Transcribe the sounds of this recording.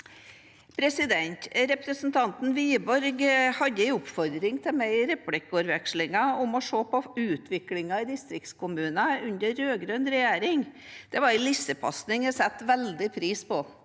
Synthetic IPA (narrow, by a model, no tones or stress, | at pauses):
pʰɾɛsɪd̪ɛnt̪ɾɛpɾəsn̩t̪ʰɑnt̪n̩ʋiːəbɔɾɡhɑd̪ːəɪʊpfɔɾd̪ɾɪŋt̪ʰɪlmɛɪɾɛplɪkʊɾʋɛkʂlɪŋɑʊmɔʂoːpɔʉːt̪ʰʋɪklɪŋɑɪd̪ɪst̪ɾɪk̚t̪skʊmʉːnɑʉnd̪əɾːøːɡɾœnɾɛjeːɾɪŋd̪̥ɛʋɑɾɪlɪfsəpʰɑ̰snɪŋjɛsɛt̪ːʋɛld̪ɪpʰɾiːspɔ